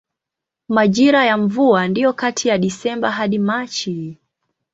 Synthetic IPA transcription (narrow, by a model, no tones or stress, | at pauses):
maʄiɾajaɱvuandijɔkatʰijaɗisɛmbaɦaɗimat͡ʃi